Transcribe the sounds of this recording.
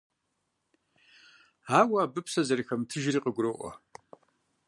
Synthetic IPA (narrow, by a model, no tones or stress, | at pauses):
aːwaːbɨpʰsɐzɐrixɐmtʰɨʒriːqʼəɡʷʊrɨʔʷɔ̰